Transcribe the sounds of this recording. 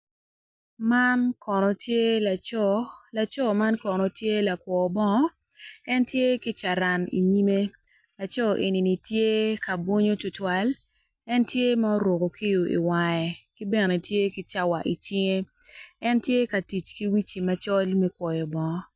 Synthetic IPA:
ma˦nkɔ˨nɔ˨tje˦la˨t͡ʃɔla˨t͡ʃɔ˦ma˦nkɔ˨nɔ˨tje˦la˨kwɔ˨bɔ˦ŋɔ˦ | ɛ˦ntje˦ki˦t͡ʃa˨ɾa˨nḭ˨ɲi˦me˦ | la˨t͡ʃɔ˦˨ʔe˨ni˨ni˨tje˦ka˨bwo˦ɲo˦tʊ˨twa˦l | ɛ˦ntje˦ma˦o˦ɾo˨ko˨ki˦jo˨ʔḭ˨wa˨ɛ˨ki˦bɛ˦˨ne˨tje˦ki˦t͡ʃa˦wa˨ʔi˨t͡ʃɪ˦ŋe˦ | ɛ˦ntje˦ka˨ti˨t͡ʃki˦wi˦t͡ʃi˨ma˦t͡ʃɔ˦lmɛ˦kwɔ˨jɔ˨bɔ˨ŋɔ˦

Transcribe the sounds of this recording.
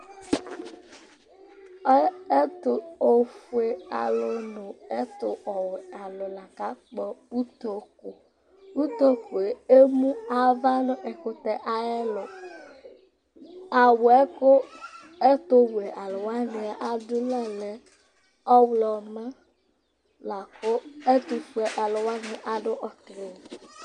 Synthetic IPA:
e˦t̪ʊ˦o˨fu˦e˦a̰˨lo˦nʊ̃˨e˦t̪ʊ˦˨ɔ˨we˨a˨lo˨la˨ka˦k͡pɔ˨u˦t̪o˨ko˨ | u˦t̪o˦ko˨e˨e˦mũ˦a˦va˦nʊ̃˦ʔe˨ko˨t̪ɛ˦ʔa˨ɛ˦lo˨ | a˨wɛ˦ko˦ | e˦t̪o˦we˨ʔa˨lo˨wa˦nẽ˨a˦ʔa˨d̪ʊ˦nã˦le˨ | ɔ˦wlɔ˨ma˦ | la˨ko˦e˦t̪u˨fu˦ɛ˨ʔa˨lo˨wa˦nẽ˨ʔa˨ɖo˦ʔɔ˨tle˨

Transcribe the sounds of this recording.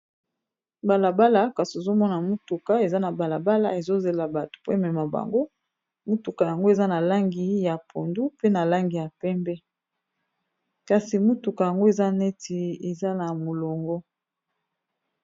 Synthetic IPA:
ba˨la˨ba˦la˨ka˨si˨o˨zo˦mɔ˦na˨mu˦tu˨ka˨e˨za˦na˨ba˨la˨ba˦la̰˨e˨zo˦ze˨la˨ba˨to̥˨po˦mɛ˨ma˨ba̰˨ŋɡo˦ | mu˦tu˨ka˨ja˨ŋɡo˦e˨za˦na˨la˦ŋɡi˨ja˨pʰo˨ndu˦pe˦na˨la˦ŋɡi˨ja˨pɛ˦mbɛ˦ | ka˨si˨mu˦tu˨ka˨ja˨ŋɡo˦e˨za˦ne˦ti˨e˨za˦na˨mo˨lɔ˨ŋɡɔ˦

